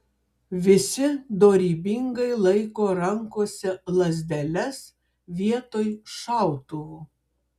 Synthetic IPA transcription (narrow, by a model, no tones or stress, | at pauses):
ʋʲɪsʲɪd̪oːɾʲiːbʲɪŋɡɐɪlˠɐɪkoːɾɐŋkoːsʲɛlˠɐzʲd̪ʲɛlʲɛs | ʋʲiɛt̪oːjʃɑˑʊt̪ʊʋʊ